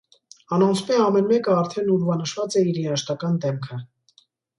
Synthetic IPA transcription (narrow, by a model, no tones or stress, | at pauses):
ɑnɔnsʰpɛɑmɛnmɛkəɑɾt̪ʰɛnuɾvɑnəʃvɑt͡sɛiɾinɑʃt̪ɑkɑnd̪ɛmkʰə